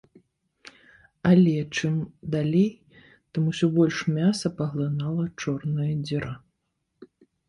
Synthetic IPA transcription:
alʲɛt͡ʂɨmd̪alʲej | t̪ɨmusʲɔbɔlʲʂmʲasɐpɐɣlˠɨnalˠɐt͡ʂɔrnɨjɐd͡zʲiɾa

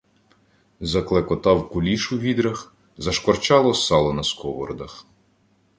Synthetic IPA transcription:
zɐklˠekɔt̪ɑwkʊlʲiʃuʋʲid̪ɾɐx | zɐʃkɔrt͡ʃɑlˠɔsɑlˠɔnɐskɔʋɔ̰rd̪ɐx

